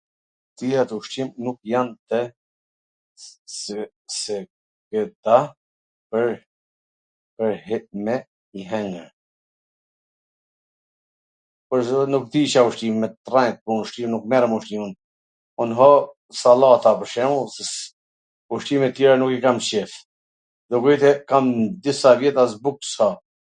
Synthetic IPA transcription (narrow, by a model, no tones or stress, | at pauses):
t̪iat̪uʃt̪imnukjant̪ɛ | sɛ | kəd̪a | pəɾ | pəɾmɛ | iɦɛŋəɾ | pɔɾnuk̚d̪iʃauʃt̪imɛt̪rant̪̚punuʃt̪inuk̚mɛɾəmuʃt̪iun | ɔnɦɔ | salat̪apəɾʃɛmusɛ | uʃt̪imɛt̪ːjɛɾanukikamʃɛf | d̪ɔɡjt̪ɛkamd̪isavjɛt̪asbukshɔ